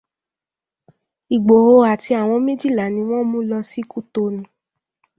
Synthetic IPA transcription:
i˨ɡ͡bo˨ho˧a˨ti˧a˨w̃ɔ̃˧mĩ˦d͡ʒi˦˨la˨˦nĩ˧w̃ɔ̃˦mũ˦lɔ˧si˦ku˦to˧nũ˨˦

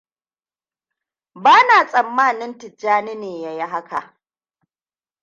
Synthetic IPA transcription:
baː˦naː˨sʼɐ˨mːaː˦˨nɪ˦ntɪ˨d͡ʒːaː˦nɪ˦neː˨ja˨ji˦ɦa˦ka̰˨ʔ

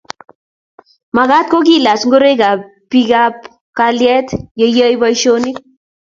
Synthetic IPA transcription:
ma˨ka˦t̚ko˦k̬i˦˨la˨t͡ʃŋɡo˦ɾe˦ka˨ | pi˦ka˦p | kaljɛ˦tje˧jə˦jbɔ˦jʃo˦ni˦k̚

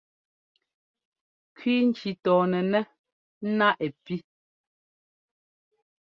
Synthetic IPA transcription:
kɥiː˦n̩˦t͡ʃi˨tɔː˨nɛ˨nɛ˦ | n̩˦na˦ʔɛ˨pi˦

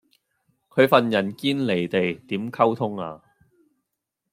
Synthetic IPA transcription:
kʰɵ˨˧ɥfɐ˨njɐ˨˩nkiː˥nle˨˩jt̪e˨jt̪iː˨˥mkʰɐ˥wt̪ʰʊ˥ŋa̰ː˧

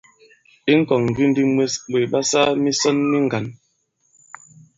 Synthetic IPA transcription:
i˦ŋ̩˦kɔ˨ŋŋ̩˨ɡi˦n˦di˦mwe˦sɓe˨ɓa˦sa˦mi˦sɔ˦nmi˦ŋ˨ɡa˨n

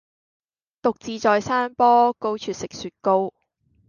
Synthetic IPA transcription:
t̪ʊ˨k̚t͡siː˨˧t͡sɔː˨jsaː˥npɔː˥ko˥wt͡ʃʰyː˨t̚sɪ˨k̚syː˨˧t̚ko˥w

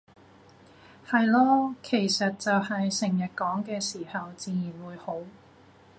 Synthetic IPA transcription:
hɐ˨jlɔː˥kʰe˨˩jsɐ˨t̚t͡sɐ˨whɐ˨jsɪ˨˩ŋjɐ˨t̚kɔː˨˥ŋkɛː˧siː˨˩hɐ˨wt͡siː˨˧jiː˨˩nwuː˨˧jho˨˥w

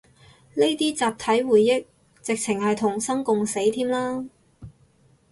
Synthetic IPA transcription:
ne˥jt̪iː˥t͡saː˨p̚t̪ʰɐ˨˥jwuː˨˩jːɪ˥k̚ | t͡sɪ˨k̚t͡sʰɪ˨˩ŋhɐ˨jt̪ʰʊ˨˩ŋsɐ˥ŋkʊ˨ŋse˨˥jt̪ʰiː˥mlaː˥

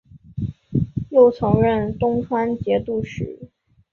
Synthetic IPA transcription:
jo˥˩ʊt͡sʰɤ˧˥ŋɻə˥˩nt̪ʊ˥ŋʈ͡ʂʰwa˥nt͡ɕjɛ˧˥t̪u˥˩ʂɻ̩˧˥

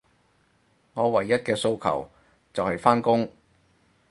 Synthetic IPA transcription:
ŋɔː˨˧wɐ˨˩jːɐ˥t̚kɛː˧so˧wkʰɐ̰˨˩w | t͡sɐ˨whɐ˨jfaː˥nkʊ˥ŋ

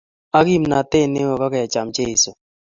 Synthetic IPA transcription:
a˦ki˦mna˨te˦˨ne˦wo˨ka˦ka˨ja˨t͡ʃa˨mt͡ʃe˦i˨so˨

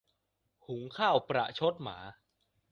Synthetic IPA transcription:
hu˩˦ŋkʰaː˥˩wpɾa̰˨˩ʔt͡ɕʰo˦˥t̪̚ma̰ː˩˦

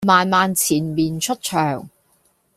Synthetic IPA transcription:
maː˨˧nmaː˨nt͡sʰiː˨˩nmiː˨nt͡ʃʰɵ˥t̚t͡ʃʰœː˨˩ŋ

